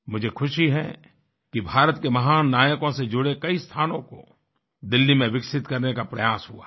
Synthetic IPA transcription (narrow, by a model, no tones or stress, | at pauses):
mʊd͡ʒʱekʰʊʃiɦɛ̰ | kibʱaːɾət̪̚kemɐɦaːnːaːjəkõsed͡ʒʊɽekɐist̪ʰaːnõko̰ | d̪ɪlːimẽʋɪksɪt̪kɐɾnekapɾɐjaːsɦua̰ː